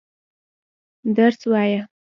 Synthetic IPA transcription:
d̪aɾswɑja

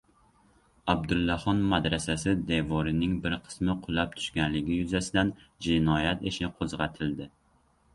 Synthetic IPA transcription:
æb̚d̪ulˠːɑχɒnmɛd̪ɾɛsɛsɪd̪evɔɾɪnɪŋbɪɾqʰə̥smɪqʰʊlˠæp̚t̪ʰy̥ʃkʲɛnlɪɡʲijyzɛsɪd̪ɛnd͡ʒɪnɒjɛt̪eʃnɪqʰozʁæt̪ʰɪld̪ɪ

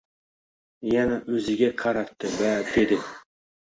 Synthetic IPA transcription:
janaʔɵzɪɡʲaqʰɑɾat̪ʰːɪbad̪e̞d̪ɪ

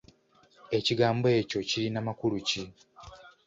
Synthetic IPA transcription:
e̞ciɡaːmboeco̞cilinamakuluci

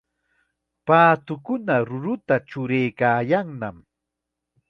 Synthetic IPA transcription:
paːt̪ʊkʊnaɾʊɾʊt̪at͡ʃʊɾejkaːjaŋnam

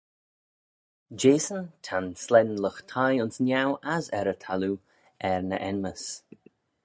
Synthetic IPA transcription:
d͡ʒeːsənt̪ʰanslɛnləxt̪ʰajʊnsnjawʔazɛɾət̪ʰalu | ɛɹnəʔɛnməs

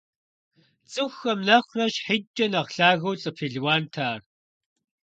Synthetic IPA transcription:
t͡sʼɨxːɐmnɐχʷrɐʃħit͡ʃʼːɐnɐʁɬaːɣɐwt͡sʼɨpʰiːɮwaːntʰaːr

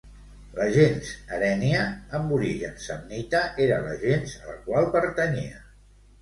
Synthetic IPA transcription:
ləʒenzəɾɛniəːmbuɾiʒənsəmnit̪əʔeɾələ̰ʒenzə̰lkwalˠpəɾt̪əniə

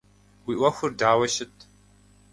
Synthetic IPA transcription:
wiːʔʷɐxʷʊrdaːwɐʃɪt̚ʰ

